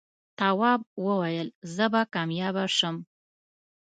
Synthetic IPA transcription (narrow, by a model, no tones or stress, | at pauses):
t̪ɑwɑb̚wəwajəlzəbakɑmjɑbaʂəm